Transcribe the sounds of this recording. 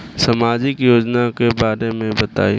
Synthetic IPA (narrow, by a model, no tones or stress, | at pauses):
sɐmaːd͡ʒɪkjoːd͡ʒnakebaːɾemẽbɐt̪a̰ːi